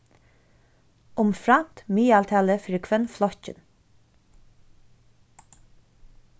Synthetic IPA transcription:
ʊmfɾɑmt̪myːɑlt̪ʰɛːləfɾɪkʰʋənflɔçə̰n

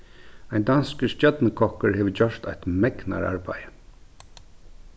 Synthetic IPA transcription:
aɪnd̪anskəst̪jœt̪nəkʰɔhkəɹheːʋəd͡ʑœʂt̪ajt̪mɛkna̰ɹa̰ɹba̰jə

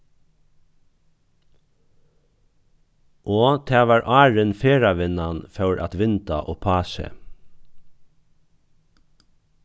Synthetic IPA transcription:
ʔoːt̪ʰæːʋɑːɹʔɑːɹənfeːɹaʋɪnanfœwɹʔa̰t̪ʋɪnt̪a̰ʔoːpʰɑːʃə̰

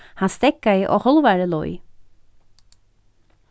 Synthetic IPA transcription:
hanst̪ɛkːajʔɔ̰hɔlvaɾəlɔ̰j

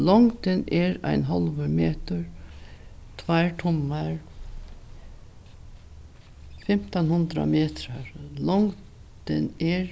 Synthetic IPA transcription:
lɔŋt̪ɪnɛɾa̰ɪnɦɔlʋəmeːt̪əɹ | t̪ʰʋajɹʈʰʊmːaɹ | fɛm̥t̪anhʊnd̪ɾa̰meːt̪ɾaɹlɔŋ | t̪ɪnɛɹ

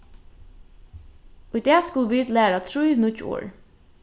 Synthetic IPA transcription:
ʊjt̪ɛːskʊlʋiːt̪læːɹat̪ʰɹujnʊt͡ʃːo̰ːɹ

